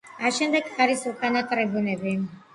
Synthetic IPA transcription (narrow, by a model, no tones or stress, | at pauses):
aʃɛmd̪ɛkχaɾisukʼanat̪ʼɾɛbunɛbi